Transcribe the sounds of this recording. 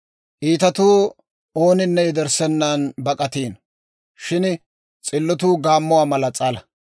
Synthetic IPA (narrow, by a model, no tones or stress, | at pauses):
ʔiːt̪ɐt̪uː | o̞ːnɪnːɛjɛd̪ɛɾsɛnːanbɐkʼɐt̪iːn | ʃɪn | t͡sʼɪlːɔt̪̬uːɡaːmːʊwaːmɐlɐt͡sʼɐːlɐ